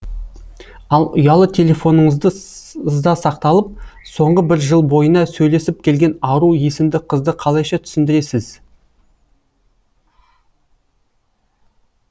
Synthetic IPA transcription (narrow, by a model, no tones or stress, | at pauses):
ɑlˠʊ̰jɑlˠət̪ʰe̞le̞fo̞nəɴəzd̪əzd̪ɑsɑqt̪ɑlˠəp̚so̞ɴʁəbɪɾʒəlˠbo̞jənɑsɵjle̞sɪp̚kʲʰe̞lɡʲe̞nɑɾuje̞sɪmd̪ɪqʰəzd̪əqʰɑlˠɑjʃɑt̪ʰʏ̥sɪnd̪ɪɾe̞sɪz̥